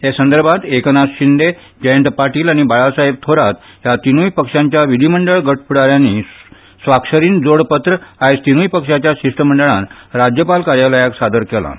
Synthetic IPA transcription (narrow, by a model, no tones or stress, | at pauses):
ɦesənd̪əɾbʱat̪eknasɕind̪e | d͡ʑəjənt̪paɾʈiːlaɽ̃ibaɭasaɦeb̚t̪ʰoɾat̪ | jat̪inujpəkʂãɲt͡ɕjaʋid̪ʱiməɳɖəɭɡəʈ̚ʰpuɽaɾjanːi | sʋakʂəɾiːnd͡zoɽpət̪ɾəajst̪inuːjpəkʂat͡ɕjaɕiʂʈəməɳɖəɭãnɾad͡ʑjəpalkaɾjaləjaksad̪əɾkɛla̰